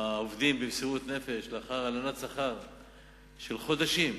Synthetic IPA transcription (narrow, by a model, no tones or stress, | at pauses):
ovd̪imbimsiʁut̪ne̞fe̞ʃleaχaʁalanatsaχaʁ | ʃelχo̞d̪aʃim